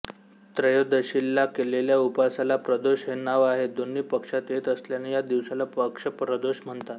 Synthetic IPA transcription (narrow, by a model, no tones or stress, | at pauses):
t̪ɾəjod̪əɕilːakeleljaupasalapɾəd̪oɕɦenaʋaɦed̪onːiːpəkʂat̪et̪əsljanejad̪iʋsalapəkʂəpɾəd̪oɕm̤əɳt̪at̪